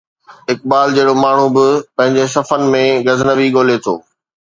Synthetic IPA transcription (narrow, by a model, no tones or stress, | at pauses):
ɪk̚ɓaːld͡ʑeːɽomaːɳ̤ũbɪpɐ̃ɦɪ̃ɲd͡ʑes̬ɐfənɪ̆mẽɡɐzɪnəʋiɠoːlet̪ʰo̰ː